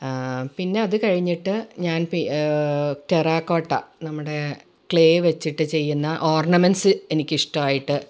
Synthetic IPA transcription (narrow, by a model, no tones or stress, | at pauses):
pinːe̞ɐðɨkɐɻiɲːiʈːɨɲaːnpi | teraːkːoːʈːɐnɐmːuɽe̞ | kɭe̞ːʋet͡ɕːiʈːɨt͡ɕe̞jːunːɐʔoːrɳɐmensɨe̞nikʲːiʂʈɐmaːjiʈːɨ